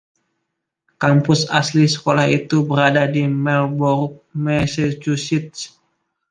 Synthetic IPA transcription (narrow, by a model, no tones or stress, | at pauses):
kampʊsaslisə̥kolahit̪ubəɾadadimɛlbɔrk̚mɛsɛt͡ʃusit̪̚s